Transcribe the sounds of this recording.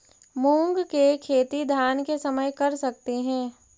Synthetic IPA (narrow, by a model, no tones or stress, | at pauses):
mũːŋɡkekʰeːt̪id̪ʱaːnkesɐməjkɐɾsɐk̚t̪eɦɛ̃ː